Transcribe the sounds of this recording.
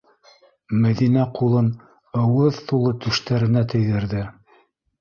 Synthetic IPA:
mæðinæqulˠɤn | ɤ̆wɤðθulˠɤt̪ʉʃt̪æɾɘ̆næt̪ɵ̆jðɘ̆ɾðɘ

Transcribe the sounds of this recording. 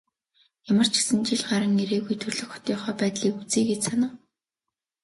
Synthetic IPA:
jamə̆r̥t͡ɕʰi̥sɘ̆nt͡ɕiɮɢaɾə̆ŋeɾeːɣujt̪ʰɵrɮɵ̆xɔ̥t̪iːχœːpæːt̪ɮiːkut͡siːɡet͡ɕsanə̆ː

